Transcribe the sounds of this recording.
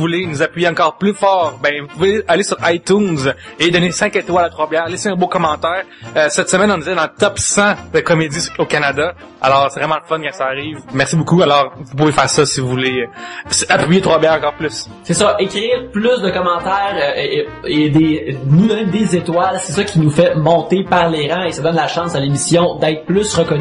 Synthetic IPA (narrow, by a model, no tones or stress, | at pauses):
vulenuzapɥijeɑ̃kɔːʁplyfɑːʁbɛ̃vupuvealesyʁajt̪ũnzed̪ɔnesɛ̃ket̪walat̪χwabjɛːʁlɛseɛ̃bokɔmɑ̃t̪ɛːʁøsɛt̪səmɛnɔ̃nzɛd̪ɑ̃ət̪ɔpsɑ̃d̪əkɔmed͡z̪isokanad̪a | a̰lɔːʁsɛvʁɛmɑ̃ləfɔnkɑ̃saːʁiːvmɛʁsibokualɔːʁvupuvefɛːʁsʌsivuvulesapʁipiet̪χwabjɛːʁɑ̃kɑːʁplʏs | sesʌʔekʲʁiːʁplʏsd̪əkɔmɑ̃t̪ɛːʁʔeed̪enud̪ɔned̪ezet̪walsesʌkʲinufɛmɔ̃t̪epaʁleʁɑ̃esad̪ɔnlaʃɑ̃salemisjɔ̃d̪ɛɪt̪χplʏsʁəkɔny